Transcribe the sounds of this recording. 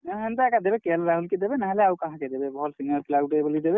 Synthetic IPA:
ɦent̪aekad̪ebekelɾaɦulkid̪ebenaɦleawkaɦaked̪ebebʱɔɔlsiŋəlkilaɡuʈebəlid̪ebe

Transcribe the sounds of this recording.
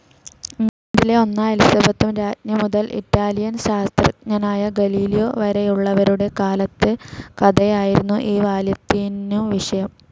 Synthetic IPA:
ŋːɐɳdile̞o̞nːaɐlisɐbɐt̪ːumɾaːtnjɐmuðɐlʔḭtːaːlijɐnɕaːst̪rɐ̰ɲɐnaːjɐɡɐliːlijo̞ːʋɐɾejuɭːɐʋɐɾuɽe̞kaːlɐt̪ːɨkɐd̪ɐjaːjiɾunːuʔiːʋaːljɐt̪ːinuʋiʂɐjɐm

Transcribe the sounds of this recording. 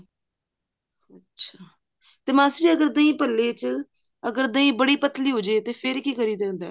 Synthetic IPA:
ətːʃʰaː | t̪eːmaːsɾiːəɡəɾd̪ãːĩːpəlːeːt͡ʃ | əɡəɾd̪ə̃ĩːbəɽiːpət̪liːɦoːd͡ʒeːt̪eːpʰɪɾkiːkəɾiːd̪ẽːnd̪a̰ː

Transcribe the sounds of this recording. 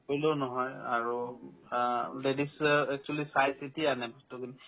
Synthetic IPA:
oloʊnɔɦɔjaɹu | ledisɛk̚t͡ʃualisajsitianɛbɔstukini

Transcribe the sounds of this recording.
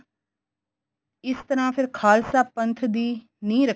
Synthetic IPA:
ɪst̪əɾãːpʰɪɾkʰaːlsaːpənt̪ʰd̪iː | nĩːɾə

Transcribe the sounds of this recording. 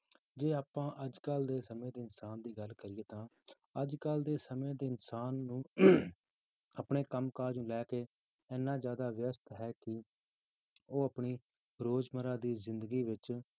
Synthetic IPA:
d͡ʒeːaːpãːʔəd͡ʒkəld̪eːsəmẽːd̪eːɪnsaːnd̪iːɡəlkəɾɪeːt̪ãː | əd͡ʒkəld̪eːsəmẽːd̪eːɪnsaːnːũː | əpɳeːkəmkaːɾd͡ʒnũːlɛːkeː | ɛːnːãːzjaːd̪aːʋɪjəst̪ɦɛːkɪ | oːəpɳiː | ɾoːd͡ʒməɾãːd̪iːzɪ̃nd̪ɡiːʋɪt͡ʃ

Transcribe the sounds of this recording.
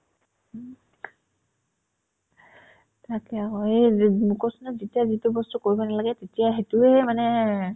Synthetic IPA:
tʰakɛakɔemukɔsɔnɔzetijazitubɔstukoɹibɔnalaɡɛtetijaɦetuɛmanɛ

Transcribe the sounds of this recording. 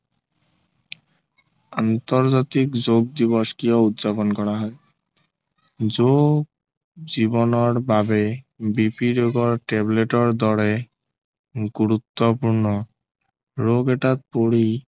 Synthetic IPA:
ant̪ɔɾzat̪ikd͡ʑoɡ̚d̪iβɔskijɔut̪d͡ʒapɔnkɔɾaɦɔe | d͡ʑoɡ | ziβɔnɔɾbabe | bipiɾoɡɔɹʈebleʈɔɾd̪ɔɾe | ɡuɾut̪ːɔpuɾnɔ | ɾoɡeʈat̪̚poɽi

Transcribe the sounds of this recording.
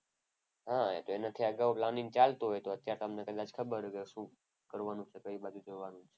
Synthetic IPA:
ɦat̪oenat̪ʰiəɡəʋplaniŋɡt͡ʃalt̪uɦojt̪oət̪jaɾt̪əmnekəd̪at͡ʃkʰəbəɾkeʃũ | kəɾʋanũt͡ʃʰekəibad͡ʒũd͡ʒoʋanũt͡ʃʰe̥

